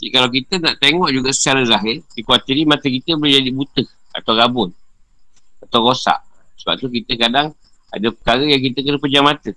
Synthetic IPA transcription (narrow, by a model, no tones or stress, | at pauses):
kalawkit̪ənaʔt̪eŋɔʔd͡ʒuɡasə̥t͡ʃaɾəzaɦɪrdikuat̪iɾimat̪ək̬it̪əbolɪhd͡ʒadibut̪əh | a̰t̪awɾabʊn | at̪awɾosa̰ʔsəba̰p̚t̪ukit̪əkadaŋ | a̰dəpə̥kaɾəjaŋk̬it̪əkənəpəd͡ʒamãt̪ə